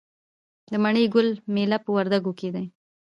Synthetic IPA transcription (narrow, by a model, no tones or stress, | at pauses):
d̪əmaɳəjɡʊlmelapəwaɾd̪aɡoked̪aj